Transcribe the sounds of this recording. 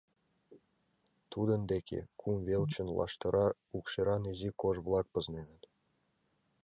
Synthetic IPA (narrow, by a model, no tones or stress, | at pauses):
t̪ud̪ɤ̆nd̪ekʲʰḛkʰumvʲelʲt͡ɕɘ̆nlˠɑ̰ʂt̪ɤ̆ɾʔɑ | ukʃiɾɑnizikoʐvlˠɑk̚pɤ̆znenɘ̆t̪